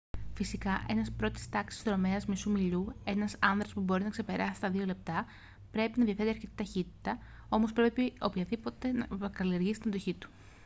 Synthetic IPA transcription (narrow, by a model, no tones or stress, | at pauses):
fisikɐʔe̞nɐspɾo̞t̪i̥st̪ɐksi̥stɾo̞me̞ɐzmisumiʎue̞nɐsɐnðɾɐspubo̞ɾinɐkse̞pe̞ɾʔɐsi̥t̪ɐðio̞le̞p̚t̪ɐ | pɾe̞pinɐðiɐfe̞t̪eɐɾçet̪i̥t̪ɐçit̪i̥t̪ɐ | o̞mo̞spɾe̞pio̞̰pçɐðipo̞t̪e̞nɐ̰kɐlie̞ɾʝisit̪inɐd̪o̞çit̪u̥